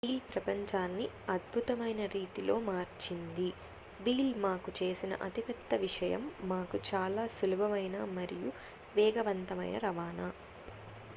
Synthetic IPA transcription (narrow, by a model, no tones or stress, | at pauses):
ʋiːlpɾɐpɐɲt͡ʃaːnːi | ɐd̪̚bʱut̪ɐmɐjnɐɾiːʈilo̞ːmaːɾt͡ʃind̪i | ʋiːlmaːkut͡ʃe̞ːsinɐ̰ʔɐt̪ipɛt̪ːɐʋiʂɐjɐ̰mːaːkut͡ʃaːlaːsulubʱɐmɐjnaːmɐɾiju | ʋɛːɡɐʋɐnt̪ɐmɐ̰jnɐ̰ɾɐʋaːnaː